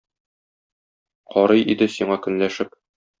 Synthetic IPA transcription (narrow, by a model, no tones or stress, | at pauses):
qɒɾɤjʔḭd̪ɘsiɴɑkɵ̆nlæʃɘp̚